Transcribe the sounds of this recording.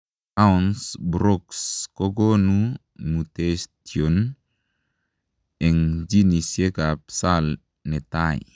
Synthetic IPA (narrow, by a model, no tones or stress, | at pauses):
aunsbɾɔkskɔɡɔnu | mutestion | ɛŋd͡ʒinisekapsal | nɛtaj